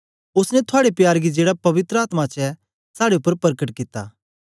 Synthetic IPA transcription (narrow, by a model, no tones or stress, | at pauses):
ʊsnɛ̃t̪ʰʊaːɽepjaːɾɡid͡ʒeːɽapɐʋɪt̪ɾəaːt̪mat͡ʃɛ | saːɽeʊpːəɾpɐɾəkəʈkɪt̪a̰ː